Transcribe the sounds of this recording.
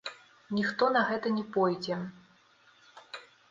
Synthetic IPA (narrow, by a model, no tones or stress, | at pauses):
nʲixt̪ɔnɐɣɛt̪ɐnʲɛpɔjd͡zʲɛ